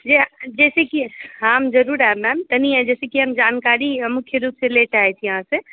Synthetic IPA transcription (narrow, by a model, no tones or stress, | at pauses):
d͡ʒed͡ʒɛsekiɦamd͡ʒəɾuɾaɦbɛmt̪əniɛ̃d͡ʒɛːsekiɦəmd͡ʒankaɾimukʰjəɾupselet͡ʃaɦɛt͡ʃʰijəɦãse